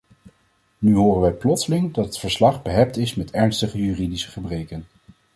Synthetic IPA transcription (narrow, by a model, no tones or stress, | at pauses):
nyɦoːrənʋɛjplɔtsəlɪŋdɑtɦətfəɹslɑχbəɦɛp̚tɪsmɛtɛɹnstəχəjyːridisə̥χəbrejkən